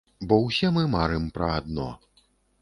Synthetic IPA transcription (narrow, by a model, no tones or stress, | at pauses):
bɔwsʲɛmɨmaɾɛmpɾɐad̪nɔ̰